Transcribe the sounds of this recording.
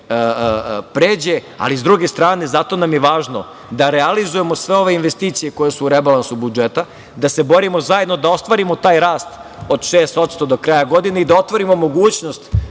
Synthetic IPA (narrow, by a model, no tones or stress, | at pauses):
pɾeːd͡ʑe | a̰lizd̪ɾuɡe̞st̪ɾaːne̞zat̪o̞namjeʋaːʒno̞ | d̪aɾealizuje̞mosʋe̞o̞ʋe̞inʋest̪iːt̪sije̞ko̞jesuːɾebalˠansubud͡ʒet̪a | d̪ase̞bo̞ɾimo̞zaje̞d̪nod̪ao̞st̪ʋaːɾimot̪aːjɾaːst̪ | o̞d̪ʃeːst̪o̞t̪st̪o̞d̪o̞kɾaːjaɡo̞d̪ineid̪ao̞t̪ʋo̞ɾimo̞mo̞ɡuːt͡ɕnost̪